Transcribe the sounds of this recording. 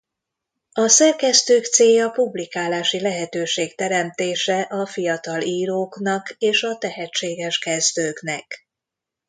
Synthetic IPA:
ɒsɛrkɛst̪øːkt̪seːjɒpublikaːlaːʃilɛɦɛt̪øːʃeːkt̪ɛɾɛmt̪eːʃɛʔɒfijɒt̪ɒliːɾoːknɒkeːʃɒt̪ɛɦɛt͡ʃːeːɡɛʃkɛzd̪øːknɛk

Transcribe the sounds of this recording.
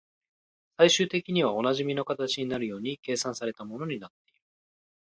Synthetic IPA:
saiɕɨːt̪e̞kʲiɲ̟iβ̞ao̞naʑimʲino̞kat̪at͡ɕiɲ̟inaɾɯ̟jo̞ːɲ̟ike̞ːsãsaɾe̞t̪amo̞no̞ɲ̟inat̪ːe̞iɾɯ

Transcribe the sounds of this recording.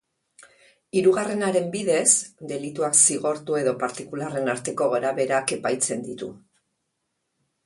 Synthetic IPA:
iɾuɣare̞naɾe̞mbiðe̞sd̪e̞lit̪uaksiɣ̞o̞ɾt̪ue̞ðo̞paɾt̪ikulare̞naɾt̪e̞ko̞ɣaɾaβe̞ɾake̞pajt͡se̞nd̪it̪ṵ

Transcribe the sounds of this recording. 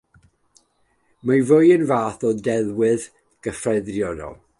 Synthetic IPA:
majvʊjənvaːθɔdɛlˠwɨð | ɡ̥əfrɛðrjɔdɔ̰lˠ

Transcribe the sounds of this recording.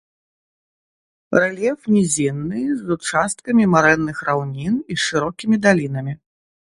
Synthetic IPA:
rɛlʲɛfnʲizʲinːɨzut͡ʂast̪kɐmʲimaɾɛnːɨxrawnʲiniʂɨɾɔkʲimʲid̪alʲin̪ɐmʲi

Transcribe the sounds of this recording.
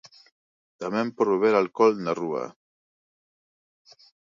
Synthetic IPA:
d̪̥amɛmpɔɾβeβeɾalkɔlnarua̰

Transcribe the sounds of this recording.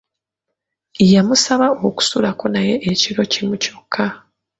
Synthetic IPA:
jamusaβaoku̥sulako̞naje̞ʔeciɾo̞cimuco̞kʰːa

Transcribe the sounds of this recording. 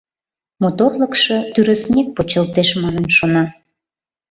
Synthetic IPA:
mot̪orləkʃɤt̪yɾə̆snʲek̚pot͡ɕəlt̪eʃmɑnənʃonɑ

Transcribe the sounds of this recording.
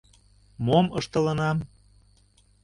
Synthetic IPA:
moməʃt̪ɤ̆lənɑm

